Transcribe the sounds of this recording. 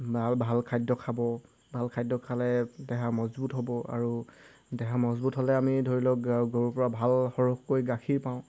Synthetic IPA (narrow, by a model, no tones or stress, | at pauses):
balbʱalkʰajdːɔkʰabɔ | bʱalkʰajdɔkʰalɛdɛɦamɔzbutɦobɔa̰ɹu | dɛɦamɔzbutɦɔlɛamidʱoɹilɔɡoɹupɔɹabʱalxɔɹokkojɡakʰiɹpãʊ̃